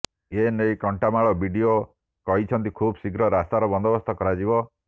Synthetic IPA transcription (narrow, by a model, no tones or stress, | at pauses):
enejkɔɳʈamaɭɔbʱiɖio | kɔɦit͡ʃʰɔnt̪ikʰubsiɡɾɔɾast̪aɾɔbɔnd̪ɔbɔst̪ʰɔkɔɾad͡ʒibɔ